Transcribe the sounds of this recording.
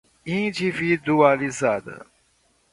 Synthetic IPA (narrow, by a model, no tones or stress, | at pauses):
ĩtʰifid̪ualizad̪ə̰